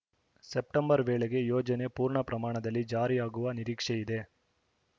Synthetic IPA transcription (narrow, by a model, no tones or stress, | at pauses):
sep̚ʈɐmbɐɾʋeːɭeɡe̞joːd͡ʒɐne̞puːɾɳɐpɾɐmaːɳɐd̪ɐlːid͡ʒaːɾijaːɡuʋɐniɾiːkʂeid̪e̞